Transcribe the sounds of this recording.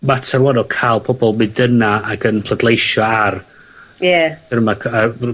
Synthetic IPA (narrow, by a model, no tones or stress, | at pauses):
matʰarwanɔkʰaːlˠpʰɔbɔlˠmɨdənaaɡənpʰlˠədlˠejʃɔar | jɛtɪɾəmakʰə